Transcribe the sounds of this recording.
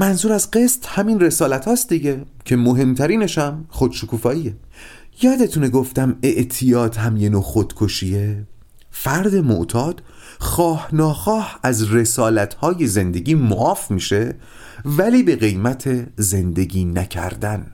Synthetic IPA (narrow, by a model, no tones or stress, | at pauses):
mænzuːɾæzɢe̞st̪hæminre̞sɒːlæt̪ʰhɒːst̪d̪iɟecʰe̞moɦe̞mt̪ʰæɾiːne̞ʃæmχod̪̥ʃokʰuːfɒːiːje | jɒːd̪e̞t̪ʰune̞ɡoft̪æmeʔt̪ʰijɒːd̪hæmjenoːxod̪̥kʰoʃiːe | fæɾd̪e̞mo̰ʔt̪ʰɒːd̪̥ | xɒːhnɒːxɒːhæzre̞sɒːlæt̪ʰhɒːje̞ze̞nd̪e̞ɟiːmoʔɒːfmiːʃe̞ | væliːbe̞ɣe̞jmæt̪ʰe̞ze̞nd̪e̞ɟiːnæcʰæ̰ɾd̪æn